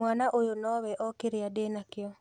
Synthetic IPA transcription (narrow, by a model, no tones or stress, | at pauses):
wanaʔojonɔwɛʔɔkeɾeadeːnakɪɔ